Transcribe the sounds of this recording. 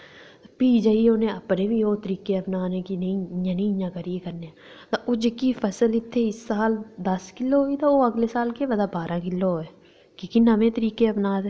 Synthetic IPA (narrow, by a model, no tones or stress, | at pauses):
piːd͡ʒəioːnẽəpnẽːbʱiːɦoːt̪əɾiːkeəpnaːnekinĩãːnĩjãkəɾiekəɾneɛ̃ | t̪oʔoːd͡ʒekifʰəsəlɪt̪ʰːeɪsːaːld̪əskɪlːoɦoːit̪ooəɡlesaːlkeʋəd̪aːbaːɾãːkɪlːoɦoːeː | kikinəʋẽːt̪əɾiːkeəpnaːd̪eː